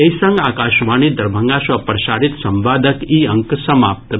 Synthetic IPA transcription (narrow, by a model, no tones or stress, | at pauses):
ɐjsɐ̃ŋɡaːkaːʃʋaːnid̪ɐɾbʱɐŋɡaːʃʋɐpɾɐʃaːɾit̪sɐmʋaːd̪ʱəkiːɐŋksɐmaːp̚t̪